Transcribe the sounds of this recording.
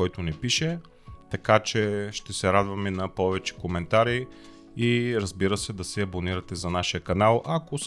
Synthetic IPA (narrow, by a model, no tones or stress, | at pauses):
ɔjt̪onɛpiʃɛ | t̪ɐkat͡ʃɛʃt̪ɛsɛɾad̪vɐmɛnɐpɔvɛt͡ʃɛ̥komɛnt̪aɾi | iɾɐzbiɾəsɛd̪ɐsɛɐboniɾɐt̪ɛzɐnaʃijəkɐnalˠʔɐko